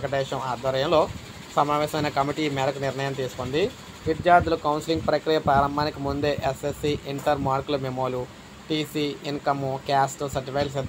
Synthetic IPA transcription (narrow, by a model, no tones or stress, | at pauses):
kɐʈɛːʃɐmaːd̪ʋɐɾɐjɐmlo̞ː | sɐmaːʋɛːsɐmɐjnɐkɐmiʈiːmɛːɾɐkuniɾnɐjɐmt̪iːsu̥kond̪i | ʋid̪jaːɾd̪ulukɐwnsiliŋɡpɾɐkɾiːjɐpɾaːɾɐmbʱaːnikimund̪e̞ːʔesesiʔiɳʈɐɾmaːɾkulumemoːlu | ʈiːsiːinkɐmukʲjaːsʈusɐɾʈifɐjls̬ed̪